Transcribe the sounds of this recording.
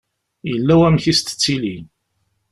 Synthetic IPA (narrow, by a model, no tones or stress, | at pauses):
jəlːæwæmθist̪ə̥t͡sːilin